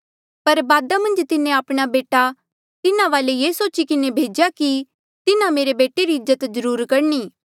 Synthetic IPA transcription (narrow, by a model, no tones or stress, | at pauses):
pɐɾbaːd̪amɐ̃nd͡ʒt̪ɪnẽaːpɽ̃abeːʈa | t̪ɪnãʋaːlejeːsoːt͡ʃikɪnebʱeːd͡ʒjaki | t̪ɪnãmeːɾebeːʈeɾiɪzːət̪zəɾuːɾkɐɾniː